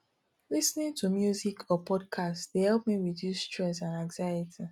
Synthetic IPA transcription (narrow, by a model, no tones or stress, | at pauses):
lisnĩntʰumjuzikʰɔpʰɔd̚kʰastdehɛlˠp̚miɹidjustʰɹɛsãnãŋzajitʰi